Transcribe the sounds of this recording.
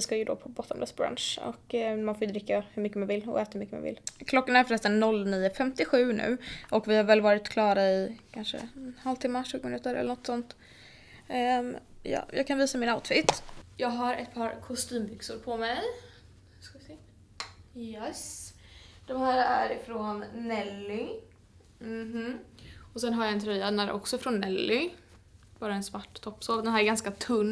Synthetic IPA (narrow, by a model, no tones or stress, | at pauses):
ɪskajɵd̪ɔ̰pʰɔbɔt̪ʰːɔmb̪ɛsbɾa̰nʂɔ̰kːmanfoːjɵd̪ɾɪkːahɵɾmʏkːəmanvɪlːɔ̰ɛːt̪ahʉmʏkːəma̰nvɪ̰lkʰlɔkːanæɾfœɾɛst̪anːɔlːniːəfɛmt̪ɪɧʉ̟ːnʉ̟̰ːʔɔkvɪhaɾvɛlvɑːɾɪt̪kʰlɑːɾaɪkʰanʂə̰halvt̪ʰɪmːaʂʉ̟ːɡʊmɪnʉ̟ːt̪əɾɛlːənɔt̪ːsɔnt̪ | jɑ̰ːjɑ̰ːɡkʰanviːsamɪnaʊt̪fɪt̪ːjɑːɡɦaɾɛ̰t̪̚pʰɑːɾkʰʊst̪yːmbʏksʊɾpʰɔmɛj | hʉskaɪsɛ | jɛs | d̪̥ɔmhæːɾæɾɪfɾɔnːɛlːʏ | m̩ɦ̩ɔsɛnɦaɾjaɛnt̪ʰɾœjːad̪ɛnæːɾʔɔ̰ksɔfɾɔnːɛlːʏ | b̥ɑːɾaɛnsvaʈːt̪ʰɔpːsoːvd̪ɛnɦæːɾɛɾɡanskat̪ʰɵnː